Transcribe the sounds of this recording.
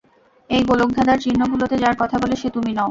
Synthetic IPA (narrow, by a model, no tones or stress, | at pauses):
ejɡoloɡ̚d̪ʱad̪aɾt͡ɕinːoɡulot̪ed͡ʑaɾkɔt̪ʰaboleʃet̪uminɔo